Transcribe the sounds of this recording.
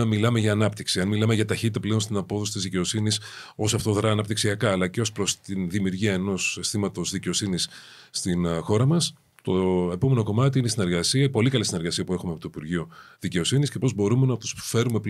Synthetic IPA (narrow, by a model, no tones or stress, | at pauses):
ɐmilɐme̞ʝɐːnɐpt̪iksiɐnmilɐme̞ʝɐt̪ɐçit̪it̪ɐple̞onst̪inɐpo̞θo̞sit̪izðice̞o̞siniso̞sɐft̪o̞ðɾɐːnɐpt̪iksiɐkɐːlɐceo̞spɾo̞st̪inðimiuɾʝiɐeno̞sst̪imɐt̪o̞zðice̞o̞sinisː | t̪inxo̞ɾɐmɐs | t̪o̞e̞po̞me̞no̞ko̞mɐt̪iinesine̞ɾɣɐsiɐipo̞likɐlisineɾɣɐsiɐpue̞xumeɐpot̪oipuɾʝioðice̞o̞sinisce̞po̞zbo̞ɾume̞nɐt̪u̥sfe̞ɾume̞p